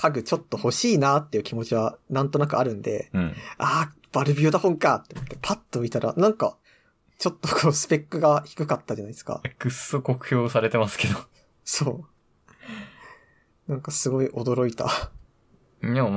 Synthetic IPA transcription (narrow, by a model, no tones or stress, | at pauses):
kʰaɡɯ̟t͡ɕo̞t̪ːo̞ho̞ɕiːnaːt̪ːe̞jɯ̟kʲimo̞t͡ɕiβanãnt̪o̞nakɯ̟aɾɯ̟̃nd̪ẽ̞̰aː | b̥aɾɯ̟bʲio̟d̪ahõŋkat̪ːoomot̪ːe̞pʰat̪ːo̞mʲit̪aɾʔa̰nãŋka̰ | t͡ɕo̞t̪ːo̞kʰoːsɨ̥pe̞kːɯ̟ɡaçi̥kɯ̟kat̪ːad͡ʑanai̥sɨ̥ka̰kɯ̟sokokɯ̟̥ço̞ːsaɾe̞t̪e̞masɨ̥ke̞d̪o | so̞ː | nãŋkasɨɡo̞iʔo̞d̪o̞ɾo̞it̪a̰ | e